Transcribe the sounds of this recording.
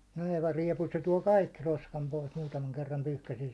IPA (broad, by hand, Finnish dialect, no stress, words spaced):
nɑheʋɑ riɛpu se tuɒ kɑikːi roskɑm pois muːtɑmɑŋ kerːɑm pyhkæsiɛ